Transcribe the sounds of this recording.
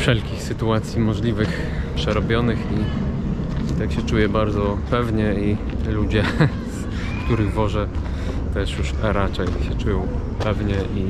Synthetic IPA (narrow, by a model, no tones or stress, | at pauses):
fʂɛlkʲixsɘt̪uat̪sʲjimɔʐlʲivɘx | pʂɛɾɔbʲjɔnɘxi | it̪akɕɛt͡ʂujɛbaɾd̪zɔpɛvɲɛi | lud͡ʑɛ | s | kt̪uɾɘɣvɔʐɛ | t̪ɛʂjuʂɾat͡ʂɛjɕɛt͡ʂujɔ̃w̃ | pɛvɲɛʔi